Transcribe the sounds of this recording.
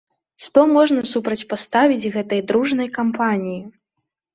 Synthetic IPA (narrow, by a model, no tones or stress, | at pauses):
ʂt̪ɔmɔʐnɐsupɾɐt͡sʲpast̪avʲid͡zʲɣɛt̪ɐjd̪ɾuʐn̪ɐjkampʰanʲiji